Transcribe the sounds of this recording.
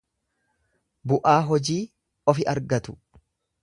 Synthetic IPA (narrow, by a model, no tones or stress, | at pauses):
bʊʔaːɦɔd͡ʒiː | ɔfɪʔɐɾɡɐt̪ʊ̥